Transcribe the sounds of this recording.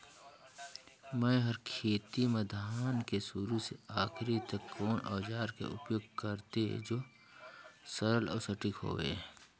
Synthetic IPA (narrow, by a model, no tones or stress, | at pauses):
mɛ̃ɦɐɾkʰeːt̪iməd̪ʱaːnkesuɾuseaːxɪɾit̪ɐkːɔːnɔːd͡ʒaːɾkḛʔʊ̰pjoːɡ̚kəɾt̪eɦd͡ʒoː | səɾəlɔ̰ːsɐʈɪkɦo̰ːʋḛː